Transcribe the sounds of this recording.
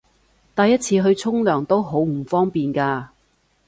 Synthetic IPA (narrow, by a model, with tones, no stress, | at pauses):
t̪ɐ˨jːɐ˥t̚t͡sʰiː˧ɦɵ˧ɥt͡sʰʊ˥ŋlœː˨˩ŋt̪o˥wɦo˨˥wm̩˨˩fɔː˥ŋpiː˨nkaː˧